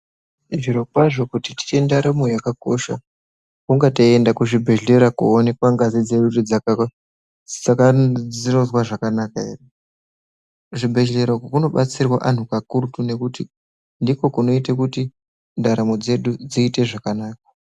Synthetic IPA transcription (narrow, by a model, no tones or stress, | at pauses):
iʐiɾo̞kwaʐo̞kutiti̥t͡ʃe̞ndaɾamojakakoʃa | kuŋɡataiendakuʐibʱe̞ɮe̞ɾakuone̞kwaŋɡazid͡ze̞ɗurid͡zaka | d͡za | ino̞zwaʐakanakae̞̰re | ʐibʱe̞ɮe̞ɾokokuno̞ɓat͡sirwaʔan̤ukakurutune̞kuti | ndiko̞kuno̞itekuti | ndaɾamod͡ze̞ɗud͡ziːte̞ʐakanaːk̚ḁ